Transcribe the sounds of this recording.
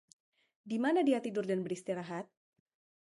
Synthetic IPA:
dimanadiat̪idʊrdanbəɾist̪iɾaɦat̪̚

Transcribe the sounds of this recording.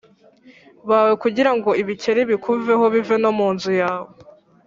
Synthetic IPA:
βawe̞kuɟiɾaŋɡo̞iβice̞ɾiβikʰuve̞ɦo̞βive̞no̞muːnzujaːβo

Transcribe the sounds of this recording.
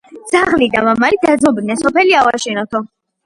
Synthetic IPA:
dd̪z̥aʁlid̪amamalid̪ad̪zmɔbd̪nɛnsɔpʰɛliavaʃɛnɔt̪ʰɔ

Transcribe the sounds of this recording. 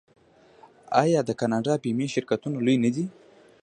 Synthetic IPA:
ɑjɑd̪əkanɑɖɑpimeʃɪɾkat̪unolujnad̪i

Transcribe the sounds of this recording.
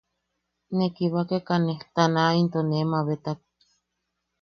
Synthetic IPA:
nekiβakekaneht̪anaint̪onemaβet̪ak̚

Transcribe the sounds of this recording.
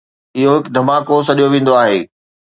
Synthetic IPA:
ɪɦoɦɪkd̪ʱɐmaːkosɐɗijoʋẽːn̆d̪oaːɦḛː

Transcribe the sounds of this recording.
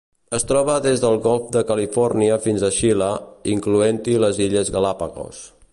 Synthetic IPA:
əst̪ɾɔβəðezðəlˠɣɔlˠfd̪əkəlifɔrniəfinzəʃiləiŋkluent̪iləziʎəzɣalapa̰ɣo̰s

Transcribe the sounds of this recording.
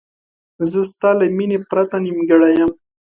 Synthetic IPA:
zəst̪ɑlaminepɾat̪animɡaɽajam

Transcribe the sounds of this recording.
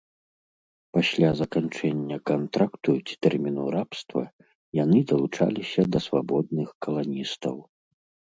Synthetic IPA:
pasʲlʲazɐkant͡ʂɛnʲːɐkant̪ɾakt̪ut͡sʲi̥t̪ɛrmʲinuɾapst̪vɐ̰ | janɨd̪ɐlˠut͡ʂa̰lʲisʲɐd̪ɐsvabɔd̪nɨxkɐlˠanʲist̪ɐw

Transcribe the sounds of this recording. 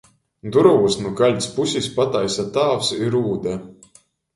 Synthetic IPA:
d̪uɾuusnuɡalʲt̪ʲspusʲispat̪ajsat̪aːfsiɾuːd̪ɛ

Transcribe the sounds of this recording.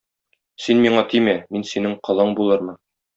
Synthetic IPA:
sinmiɴɑt̪ʰimæminsinɘɴqɤ̆lˠɤɴbulˠɤɾmɤ

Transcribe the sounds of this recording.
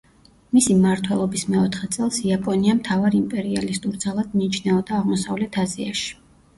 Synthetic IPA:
misimaɾt̪ʰwɛlˠɔbismɛɔt̪ʰχɛt̪sʼɛlˠsiapʼɔniamt̪ʰavaɾimpʼɛɾialist̪ʼuɾd̪zalˠad̪̚miːt͡ʃʰnɛɔd̪aːʁmɔsavlɛt̪ʰaziaʃi̥

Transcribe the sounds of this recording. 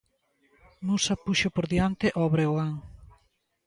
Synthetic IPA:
musɐpuʃopoɾðjant̪eʔɔβɾeoaŋ

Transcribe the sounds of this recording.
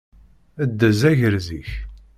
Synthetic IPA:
æd̪ːəzæʝəɾziç

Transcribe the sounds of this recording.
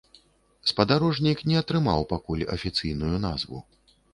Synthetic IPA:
spɐd̪aɾɔʐnʲiknʲɛɐt̪ɾɨma̰wpakulʲɐ̰fʲit̪sɨjn̪ujuna̰zvṵ

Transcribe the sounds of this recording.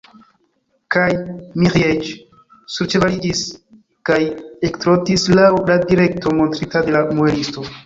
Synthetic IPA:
kajmiʁjet͡ʃ | suɾt͡ʃe̞valid͡ʒis | kajektɾotislawladiɾe̞k̚tʰo̞mo̞ntɾitade̞lamuelisto̞

